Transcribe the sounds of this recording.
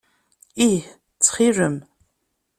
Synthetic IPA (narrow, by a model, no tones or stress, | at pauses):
iħ | t͡sʰχirɨm